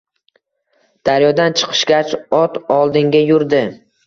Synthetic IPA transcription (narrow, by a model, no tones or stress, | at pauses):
d̪̥aɾjɒd̪ant͡ʃʰɨ̥qʰɨ̥ʃɡʲat͡ʃɒt̪ɒlˠd̪ɪŋɡʲajʊɾd̪ɪ